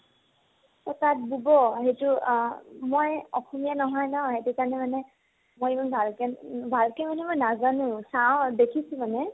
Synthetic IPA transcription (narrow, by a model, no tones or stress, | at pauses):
tɔtat̚bubɔɦetʊ | mojɔxɔmijanɔɦɔjnɔɦetukaɹnɛmanɛ | mojemɔnbʱalkɛbʱalkɛmanɛmojnazanʊ̃saʊ̃dekʰisũmanɛ